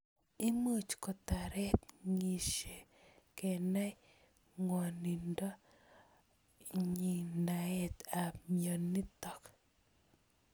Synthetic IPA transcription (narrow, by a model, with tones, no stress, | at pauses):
i˦mu˦˨t͡ʃkɔ˨t̪a˨ɾɛ˦t̪̚ŋi˨ʃe˨kɛ˨na˦ | ŋɔ˨ni˨ndɔ˦ | ɲi˨na˨ɛ˦t̪a˨mjo˨nːi˦t̪ɔ˨k